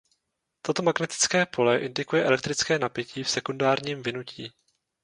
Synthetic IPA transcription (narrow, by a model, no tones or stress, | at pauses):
t̪ot̪o̞maɡnɛt̪ɪ̥t͡skɛːpʰo̞lɛʔɪndɪkujɛʔɛlɛk̚t̪ɾɪt͡skɛːnapjɛciːfsɛkundaːɾɲiːmvɪnuciː